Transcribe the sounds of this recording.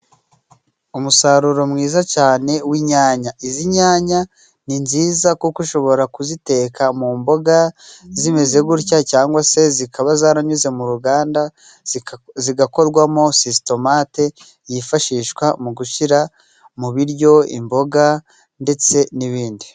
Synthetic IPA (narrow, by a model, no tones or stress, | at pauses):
umusaɾuɾo̞mŋiːzacaːne̞wiɲaːɲaʔiziɲaːɲa | ninziːzakukuʃo̞βo̞ɾakuzite̞kʰamuːmbo̞ɡazimeze̞ɡuɾcacaːŋɡwase̞zikʰaβazaːɾaɲuze̞muɾuɡaːnda | ziɡako̞ɾɡwamo̞sisto̞mate̞ | jifaʃiːʃkwamuɡuʃiɾa | muβiɾɟo̞ḭmbo̞ɡa | nde̞t͡se̞niβiːndi